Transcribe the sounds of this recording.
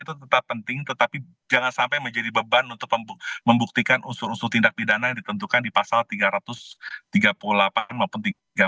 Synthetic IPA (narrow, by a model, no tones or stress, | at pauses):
it̪ut̪ət̪apːənt̪ɪŋt̪ət̪api | d͡ʒaŋansampajməɲd͡ʒadibəbanunt̪ʊk̚məməmbuk̚t̪ikanʔusʊɾusʊt̪indak̚pidanajaŋdit̪ənt̪ukandipasalt̪iɡaɾat̪ʊst̪iɡapululapanmaupʊnt̪i | ɡa